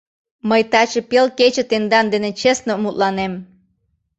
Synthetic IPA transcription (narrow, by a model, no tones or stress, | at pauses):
məjt̪ɑt͡ɕepelket͡ɕĕt̪end̪ɑnd̪enet͡ɕesnomut̪lɑnem